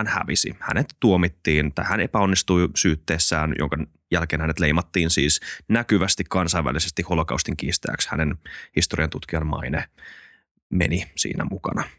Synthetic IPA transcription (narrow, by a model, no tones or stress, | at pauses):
ænhæ̰ʋisḭhæ̰net̪ːuomit̪ːiːnt̪ɑjhænepæonːist̪uisyːt̪ːeːsːæːnjo̰ŋkɑn | jælkeːnhænet̪lejmɑt̪ːiːnsiːsnækyʋæst̪ikkɑnsɑiʋæ̰lisest̪iholokɑ̰wst̪iŋk̟iːst̪æ̰ːkshæ̰nenhist̪oriɑnt̪ut̪k̟iɑmmɑ̰ine | mḛnisḭːnæ̰mukɑ̰nɑ